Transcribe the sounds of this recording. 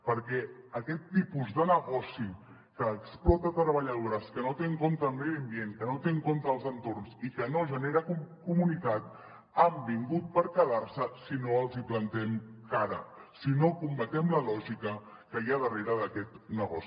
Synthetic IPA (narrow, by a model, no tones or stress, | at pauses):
pəɾkɛəkɛt̪ːipuzðənəɣɔsi | kəːksplɔt̪ət̪ɾəβəʎəð̞oɾəskənot̪eŋkont̪əːlˠmewəmbienkənot̪eŋkont̪əːlˠzənt̪ornzikənoʒəneɾəkumkumunit̪at̪̚ | ambiŋɡut̪̚pəɾkəðaɾsəsinoəlˠziplənt̪ɛmkaɾə̰sinokumbət̪ɛmləlɔʒikə | kəiaðəreɾəðəkɛt̪nəɣɔsi